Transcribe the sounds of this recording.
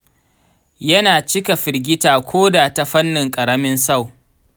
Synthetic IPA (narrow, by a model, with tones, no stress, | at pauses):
jɐ˦naː˨t͡ʃɪ˦ka˨ɸɪ˨ɾɡʲɪ˦taː˨kʷʰoː˦daː˨ta˦ɸɐ˦nːɪ˨ŋkʼɐ˨ɽɐ˦mɪ˦nsa˦˨w